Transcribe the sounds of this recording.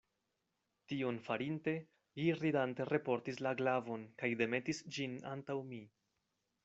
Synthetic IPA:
tionfaɾinte̞ | liɾidante̞ɾe̞po̞ɾtislaɡlavo̞nkajde̞me̞tisd͡ʒina̰ntawmi

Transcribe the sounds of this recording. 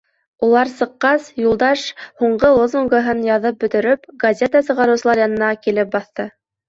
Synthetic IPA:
ulˠɑɾsɤ̆qːɑsjulˠd̪ɑʃhuɴɢɤlˠozuŋɡəɦɤnjɑðɤp̚bɵ̆t̪ɵ̆ɾɵpɡɐzʲet̪əsɤ̆ʁɑɾɤ̆wsɤ̆lˠɑɾjɑnɤ̆nɑkilɘp̚bɑθt̪ɤ

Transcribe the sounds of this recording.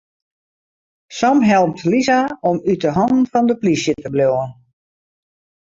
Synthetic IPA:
sɔmɦɛlˠp̚tlizaɔmytəɦɔndn̩fɔndəplisjətəbloən

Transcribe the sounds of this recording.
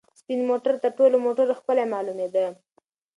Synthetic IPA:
st̪inmoʈaɾt̪əɾʈolomoʈaɾoxpəlamɑlumed̪ə

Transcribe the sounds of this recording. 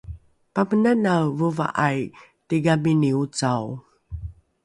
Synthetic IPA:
pamənanavuva̰ʔaj | tiɡaminiut͡saw

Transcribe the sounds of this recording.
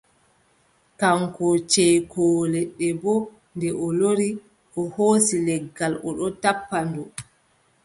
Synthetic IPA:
kaŋkɔt͡ʃɛjkʰɔːlɛɗːɛbɔ | ndɛʔɔloɾi | ʔɔhoːsilɛɡːalɔ̰ɗɔtapːandɔ

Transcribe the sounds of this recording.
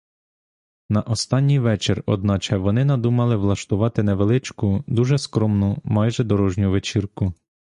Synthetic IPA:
nɐʔɔst̪ɑnʲːijʋɛt͡ʃerɔ̰d̪̚nɑt͡ʃɛʋɔnɪnɐd̪umɐlˠɪʋlˠɐʃt̪ʊʋɑt̪ɪnɛʋelˠɪt͡ʃkʊd̪uʒɛskɾɔmnʊmɑjʒɛd̪ɔɾɔʒnʲʊʋet͡ʃirkʊ

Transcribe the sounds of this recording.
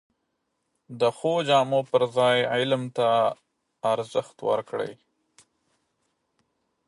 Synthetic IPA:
d̪əxod͡ʒɑːmopəɾzɑjʕɪlmt̪aː | ɾzəxt̪wə̰ɾkɽə̰j

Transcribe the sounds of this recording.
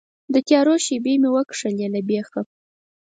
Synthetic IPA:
d̪ət̪jɑɾoʃibemewəkʂəlelabexa

